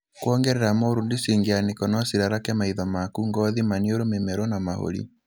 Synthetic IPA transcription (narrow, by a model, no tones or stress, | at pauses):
kwɔŋɡɛɾɛɾamɔɾundisiŋɡianikɔnɔsiɾaɾakɛmaiðɔmakuŋɡɔðimanioɾomemɛɾɔnamaho̰ɾḭ